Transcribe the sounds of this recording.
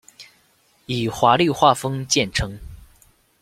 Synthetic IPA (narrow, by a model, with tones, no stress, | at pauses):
i˨˩xwa˧˥li˥˧xwa˥˩fɤ˥ŋt͡ɕjɛ˥˩nʈ͡ʂʰɤ˧˥ŋ